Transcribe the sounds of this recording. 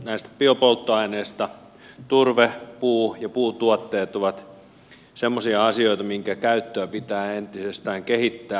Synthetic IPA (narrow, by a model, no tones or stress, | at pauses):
næist̪æ̥piopolt̪ːoɑineːst̪ɑ | t̪urʋepuːjɑpuːt̪uɑt̪ːeːt̪oʋɑt̪ | semːosiɑɑsioit̪ɑmiŋkækæyt̪ːøæpit̪æːent̪isest̪æːŋkehit̪ːæː